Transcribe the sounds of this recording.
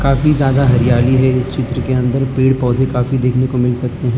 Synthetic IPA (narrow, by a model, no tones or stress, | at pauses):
kaːfizjaːd̪aɦɐɾijaːliɦɛɪst͡ʃɪt̪ɾəkeɐ̃nd̪əɾpeːɽpɔːd̪ʱekaːfid̪eːkʰnekomɪlsɐk̚t̪eɦɛ̃ː